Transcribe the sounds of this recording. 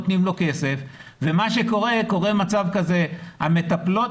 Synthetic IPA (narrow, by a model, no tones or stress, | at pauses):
ot̪nimlo̞ke̞se̞fvemaʃe̞ko̞ʁe̞ko̞ʁe̞mat͡savkaze̞hame̞t̪aplo̞